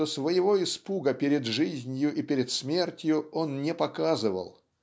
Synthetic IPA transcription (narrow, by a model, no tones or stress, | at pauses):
osvəjɪvo̞ɪspuɡəpʲeɾʲɪd̪ʐɨzʲnʲjʊʔipʲɪɾʲɪt̪smʲe̞rtʲjʊo̞nnʲɪpɐkazɨvə̰lˠ